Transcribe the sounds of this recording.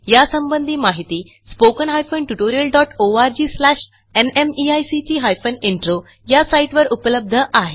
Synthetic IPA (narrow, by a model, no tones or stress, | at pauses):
jasəmbənd̪ʱiːmaɦit̪iː | spokənɦajfənʈuʈoɾijəlɖɔʈoaɾd͡ʑiːslæɕ | enemiajsit͡ɕiːɦajfəneɳʈɾo | jasajʈʋəɾupələb̚d̪ʱəʔaɦe